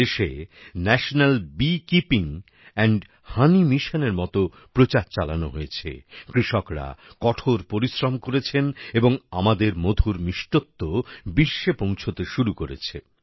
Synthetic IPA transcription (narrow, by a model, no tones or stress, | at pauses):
eʃenɛʃonalbikipiŋ | ɛɳɖ | hanimiʃoneɾmɔt̪o | pɾot͡ɕaɾt͡ɕalano̰ɦojet͡ɕʰḛkɾiʃɔkɾa̰kɔʈʰoɾpoɾisɾomkoɾet͡ɕʰeneboŋamad̪eɾmod̪ʱuɾmiʃʈot̪ːobiʃːepõw̃t͡ɕʰot̪eʃuɾukoɾḛt͡ɕʰḛ